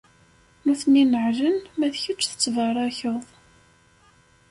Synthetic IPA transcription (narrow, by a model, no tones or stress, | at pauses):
nuθninəʕʒənmæðçət͡ʃːθə̥t͡sːvəɾˤɑçəðˤ